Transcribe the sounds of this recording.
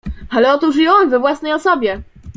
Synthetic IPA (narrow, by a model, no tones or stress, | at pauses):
alɛɔt̪uʐjɔwnvɛvwasnɛjɔsɔbʲjɛ